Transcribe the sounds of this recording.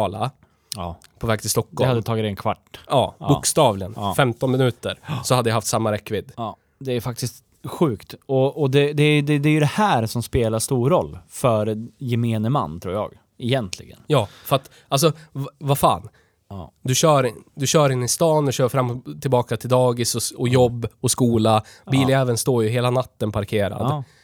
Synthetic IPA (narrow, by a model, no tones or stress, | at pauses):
ɑːla̰ | ɑː | pʰɔvɛːɡ̚t̪ʰɪlst̪ɔkːdːɔhad̪ːət̪ʰɑːɡɪt̪ɛnkʰva̰ʈːɑːbʊ̰ːkst̪ɑːvlɪənːfɛmt̪ɔnmɪnʉ̟ːt̪əɾsɔhad̪ːəjahaft̪samːaɾɛkːvɪd̪ɑː | d̪ɛːjfak̚t̪ɪst̪ | ɧʉːkt̪ɔɔd̪ɛd̪ɛæɾjd̪ɛd̪ɛːɾjɵd̪ɛhæːɾsɔmspeːlaʂt̪uːɾɔlːfœɾjɛmeːnəma̰nːt̪ʰɾṵːɾjɑ̰ːɡ | ɛjɛnt̪ʰlɪ̰ɡə̰njɑːfœɾat̪ | alsɔvafa̰ːn | d̪ɵɕœːɾd̪ɵɕœːɾɪnːɪst̪ɑːnɔɕœːɾfɾamːt̪ʰɪlbɑːkat̪ʰɪld̪ɑːɡɪsɔɔjɔbːɔskuːlabiːlɪɛːvənst̪oːɾjɵɦeːlanat̪ːənpʰaɾkʰeːɾa̰d̪